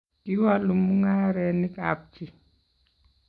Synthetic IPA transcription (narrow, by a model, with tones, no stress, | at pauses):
ki˦wa˦lu˨mu˦ŋa˦ɾɛ˨ni˦kʼa̰p̚tʰʼi˨